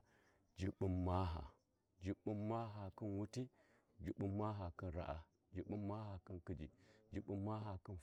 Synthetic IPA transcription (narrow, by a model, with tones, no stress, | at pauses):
d͡ʒi˨ɓu˦mːa˦ɦa̰˨ | d͡ʒi˨ɓu˦mːa˦ɦa˨ki˦nwu˦ti˦ | d͡ʒi˦ɓu˦mːa˦ɦa˨kə˦nɾa̰˨ʔa̰˨ | d͡ʒi˨ɓu˦mma˦ha˨ki˦nki˦d͡ʒḭ˨d͡ʒi˨ɓu˦mːa˦ɦa˨kə˦nf